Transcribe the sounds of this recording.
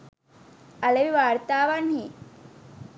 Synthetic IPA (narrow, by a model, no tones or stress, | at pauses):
aleʋiʋaɾt̪aːʋanɦi